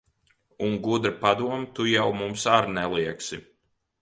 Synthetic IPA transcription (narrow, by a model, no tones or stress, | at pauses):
uŋɡud̪ɾapad̪uɔmt̪ujawmumsaɾnɛlˠiɛksi